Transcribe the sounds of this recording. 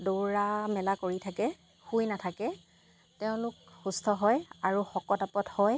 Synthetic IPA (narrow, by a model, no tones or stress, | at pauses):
doɹamɛlakoɹitʰakɛ | xujnatʰakɛ | tɛʊ̃lʊkxustʰɔɦɔjaɹuxɔkɔtapɔthɔj